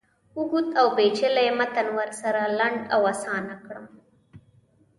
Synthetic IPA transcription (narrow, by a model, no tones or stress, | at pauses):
uɡut̪awbet͡ʃelajemat̪anwaɾsaɾalaɳɖawasɑnakɽəm